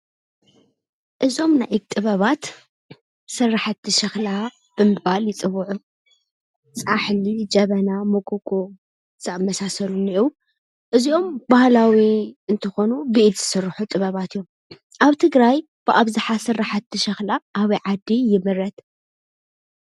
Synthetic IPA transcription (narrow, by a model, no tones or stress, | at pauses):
ʔɨzo̞mnajʔik̚t̪ʼɨβɐβat̪ | sɨrːaħat̪ʰːɨʃɐxla | b̥ɨmɨbaljɪt͡sʼɨβuʕu | t͡sʼaħlid͡ʒɐβɐnamokʼukʼo | z̥aamːɐsasɐluniʔ | ʔɨziʔo̞mbahlawiɨnt̪ʰɐxo̞nubiʔt̪z̥ɨsɨrːħut̪ʼɨβɐβat̪ʰijːom | ʔaβt̪ʰɨɡɾaj | b̥ɨʔaβzaħasɨrːaħat̪ʰːɨʃɐxlaʔːβɐjʕad̪ijɪmɨɾɐt̪